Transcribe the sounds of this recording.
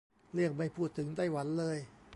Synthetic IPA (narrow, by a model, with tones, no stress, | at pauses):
lɯ˥˩ək̚ma˥˩jpʰuː˥˩t̪ʰːɯ˩˦ŋt̪a˥˩jwa˩˦nlɤː˧j